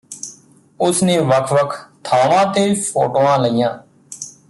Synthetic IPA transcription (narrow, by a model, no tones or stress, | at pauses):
ʊsnẽːʋəkʰʋəkʰt̪ʰaːʋãːt̪eːpʰoːʈoːãːləijãː